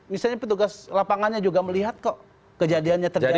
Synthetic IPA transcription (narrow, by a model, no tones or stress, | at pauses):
misalɲapət̪uɡaslapaŋanɲad͡ʒuɡaməliɦat̪̚ko | kəd͡ʒadianɲat̪ər